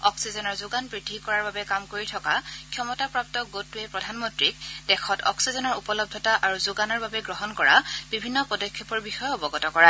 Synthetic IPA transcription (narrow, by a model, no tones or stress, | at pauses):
ɔksizɔnɔɹzʊɡanpɹidʱikɔɹaɹbabɛkamkoɹitʰɔkakʰjɔmɔtapɹap̚tɔɡotːuɛpɹɔdʱanmɔntɹikdɛxʰɔtɔ̰ksizɔnɔɹupɔlɔb̚dʱɔtaʔaɹuzʊɡanɔɹbabɛɡɹɔɦɔnkɔɹa̰bibʱinːɔpɔdɔkʰːɔpɔɹbixɔjɔɔbɔɡɔtɔkɔɹa